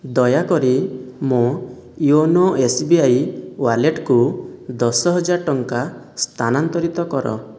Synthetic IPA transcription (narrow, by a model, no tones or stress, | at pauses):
d̪ɔjakɔɾimo | ionoesbiajwaɾleʈkud̪ɔsɔɦɔd͡ʒaɾʈɔŋka | st̪ʰanant̪ɔɾit̪ɔkɔɾɔ̰